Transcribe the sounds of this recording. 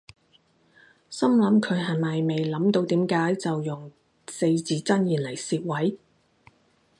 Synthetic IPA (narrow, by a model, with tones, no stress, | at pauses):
sɐ˥mlɐ˨˥mkʰɵ˨˧ɥɦɐ˨˩jmɐ˨jme˨jlɐ˨˥mt̪o˧wt̪iː˨˥mkaː˨˥jt͡sɐ˨wjʊ˨˩ŋ | se˧jt͡siː˨˧t͡sɐ˥njiː˨˩nlɐ˨˩jsiː˧t̚wɐ˨˥j